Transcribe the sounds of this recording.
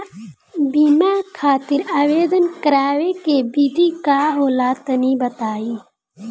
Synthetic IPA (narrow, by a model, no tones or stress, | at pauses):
biːmaːkʰaːt̪iɾaːweːd̪ənkɐɾaːwekebid̪iːkaːɦoːlaːt̪ɐnibɐt̪aːiː